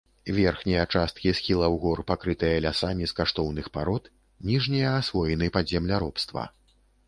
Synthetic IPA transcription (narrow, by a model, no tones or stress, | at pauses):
vʲɛrxnʲijɐt͡ʂast̪̚kʲisxʲilˠɐwɣɔrpakɾɨt̪ɨjɐlʲasamʲiskaʂt̪ɔwnɨxpaɾɔt̪ | nʲiʐnʲijɐːsvɔjɛnɨpɐd̪zʲɛmlʲaɾɔpst̪vɐ̰